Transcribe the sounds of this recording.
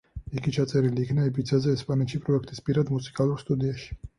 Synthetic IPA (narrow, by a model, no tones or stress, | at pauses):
iɡit͡ʃʰat̪sʼɛɾiliːkʰnaɛpʼit̪sʰazɛːspʼanɛt̪ʃipʼɾɔɛkʰt̪ʼispʼiɾad̪musʰi̥kʼalˠuɾst̪ʼud̪iaʃi̥